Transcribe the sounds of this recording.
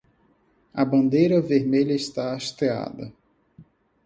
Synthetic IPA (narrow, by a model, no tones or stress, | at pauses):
ɐbɐ̃nd̪ejɾɐveɾmeʎɐɪst̪aaʃt̪ea̰d̪ɐ